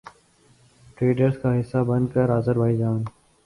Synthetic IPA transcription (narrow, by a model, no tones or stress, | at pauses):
ʈɾeːɖəɾskaɦɪsːabənkəɾazəɾbaːɪd͡ʒaːn